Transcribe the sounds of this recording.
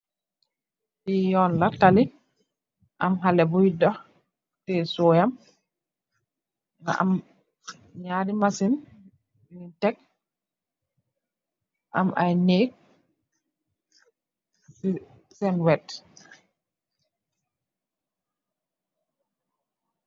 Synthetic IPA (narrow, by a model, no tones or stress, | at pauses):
ijɔnlatali | ʔamɦalɛbujdɔ | tɛsɔːjam | ŋa̰ʔa̰m | ɲaɾimasin | intɛk̚ | ʔamʔa̰jneːk̚ | sɛnwɛt